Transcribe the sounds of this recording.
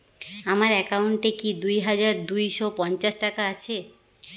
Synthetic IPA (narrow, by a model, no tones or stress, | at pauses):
amaɾɛkawɳʈekid̪ujɦad͡ʑaɾd̪ujʃɔpɔnt͡ɕaʃʈakaat͡ɕʰe